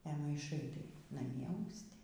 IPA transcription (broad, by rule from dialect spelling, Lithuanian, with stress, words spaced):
ɛ mɐɪˈʃɐɪ tɐɪ nɐˈmʲiɛ ɐʊsʲˈtʲɪ